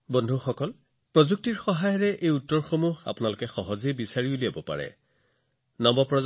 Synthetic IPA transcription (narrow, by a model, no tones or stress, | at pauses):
bɔndʱuxɔkɔl | pɹɔzuk̚tiɹxɔɦajɔɹɛʔejutːɔɹxomuɦa̰pʊnalʊkɛxɔɦɔzebisaɹiuliabɔpa̰ɹɛ̰ | nɔmbɔpɹɔ